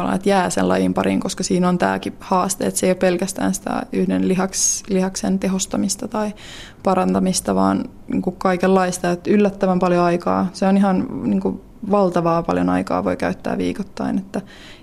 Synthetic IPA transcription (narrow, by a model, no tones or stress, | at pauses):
ɑlɑ̰net̪jæːsḛlɑ̰jimpɑɾḭŋkoskɑsiːnont̪æ̰ːkihɑːst̪ḛːet̪seijopelkæst̪æ̰ːnsi̥t̪æ̰yhdenliɦɑkslihɑksent̪eɦost̪ɑmist̪ɑt̪ɑi | pɑrɑnt̪ɑmist̪ɑʋɑ̰ːn | nḭːŋkukkɑikelːɑist̪ɑjet̪ylːæt̪ːæʋæmpɑljoɑikɑ̰ːseoniɦɑnniːŋku | ʋɑlt̪ɑʋɑːpɑ̰ljo̰nɑ̰ikɑ̰ːʋo̰ikæ̰yt̪ːæ̰ːʋḭːkot̪ːɑinet̪ːæ